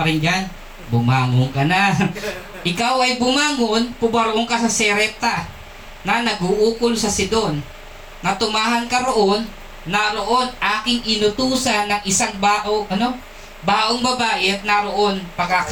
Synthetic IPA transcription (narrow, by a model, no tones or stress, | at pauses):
ɐɾɪnd͡ʒan | bʊmaːŋoŋkɐna | ʔɪkawɐjbʊmaːŋonpʊbɐɾoʔoŋkɐsɐsɛɾɛt̪ɐ | nɐnɐɡuʔuːkolsɐsɪd̪o̞nː | ɐt̪ʊmaːɦɐnkɐɾoʔonː | ɐɾoʔo̞nʔaːkɪŋɪnʊt̪uːsɐnːɐŋʔɪsaŋbaːʔoʔɐno̞ | baːʔoŋbɐbaːʔɪɐt̪̚nɐɾoʔo̞npɐɡak